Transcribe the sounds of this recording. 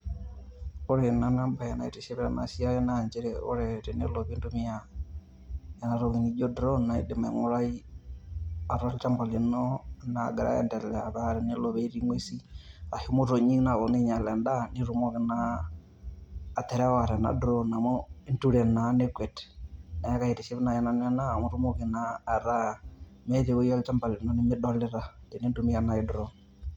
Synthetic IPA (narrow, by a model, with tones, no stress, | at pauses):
ɔ˦ɾe˨na˨na˦mba˨ɛna̰˨i˨tɛ˨ʃɛ˦βɛ˦ɾa˨na̰˨si˦a˦jɛ˦naɲd͡ʒɛ˦ɾɛɔ̰˦ɾɛɾɛ˨ne˦lɔ˨βi˦ndumia | ɛna˨ɾɔ˨ɣi˨ni˦d͡ʒɔ˦dɾɔ˦na˨ḭ˦dɛ˨ma̰˨ŋɔ˦ɾa˦i˦ | a˨ɾa˦ɾt͡ʃa˦mbɔ˨lɛ˨nɔna̰˨ɡɛ˨ɾa̰˦ɛ̰˨ndɛ˨lɛ˨a˨βa˨ɾɛ˨nelɔ˨βɛ˦i˦ɾi˦ŋwe˦si˦a˨himo˦ɾo˨ɲi˦na˨βɔ˨ne˦ɲa˨lɛ˨nda˦ni˦ɾu˨˦mɔ˦kɪ˨na˨ | tɛ˨ɾɛ˦wa˨ɾɛ˨na̰˨dɾɔ˦na˨mɔ˦ntu˦ɾɛ˨na˨˦ne˦kwɛ˨tɛ̥na˨ɛ˦ka˨hi˨ɾe˨ʃe˦βi˦na˨jɛ˨na˨n˦ɛ˦na˦˨mo˦ɾu˦mɔ˦ke˨naː˨ɾa˦ | mɛ˦ðe˨wo˦jɔ˦lt͡ʃa˦mba˨li˨nɔ˦nɪ˦mɪ˦dɔ˦lɪ˦ɾa˦de˨ne˦ndu˨mi˦a˨na˨idɾɔ˦